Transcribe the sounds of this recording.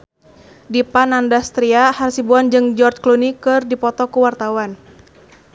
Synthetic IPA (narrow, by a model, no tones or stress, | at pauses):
dipanandast̪ɾiahaɾsibuand͡ʒɨŋd͡ʒɔrt͡ʃklunikɨrdipɔt̪ɔkuwart̪awan